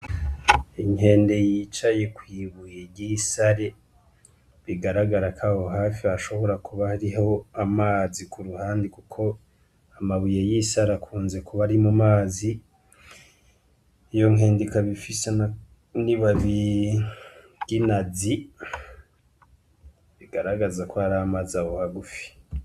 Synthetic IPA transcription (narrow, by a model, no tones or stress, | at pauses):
iŋe̞ːnde̞jiːt͡ʃajekwiːβujeɾɟisaɾe | βiɡaɾaɡaɾakʰahoɦaːfiaʃo̞βo̞ɾakuβahaɾiɦo̞amaːzikʰuɾuhaːndikukʰo̞ | amaβujejisaɾakʰuːnze̞kuβaɾimumaːzi | jo̞ŋeːndikaβifisen | niβaβi | ɟ̥inazi | βiɡaɾaɡazakohaɾaamaːziawohaɡufi̥